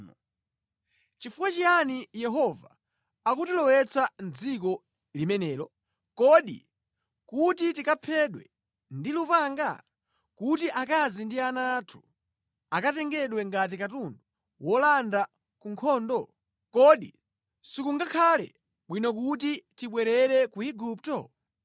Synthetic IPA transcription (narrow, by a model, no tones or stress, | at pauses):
t͡ʃifukwat͡ʃianijɛɦɔvaː | kutilɔwɛt͡sand͡zik̬ɔ | limɛnɛːlɔ | kɔɗḭ | kutitikapʰɛɗwɛ̰ | ndilupaŋɡa̰ | kutiʔakazindianatʰu̥ | akatɛŋɡɛɗwɛŋɡat̬ikatundɔ | wɔlanda | kuŋkʰɔːndɔ | kɔɗi | sikuŋɡakʰalɛ̰ | ɓwinɔk̬utitiɓwɛɾɛɾɛkuiɡuptɔ̰